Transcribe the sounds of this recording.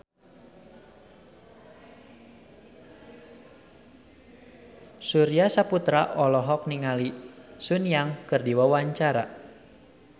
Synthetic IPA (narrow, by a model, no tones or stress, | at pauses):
suɾiasaput̪ɾaʔɔlɔɦɔk̚niŋalisunjaŋkɨrdiwawaɲt͡ʃaɾa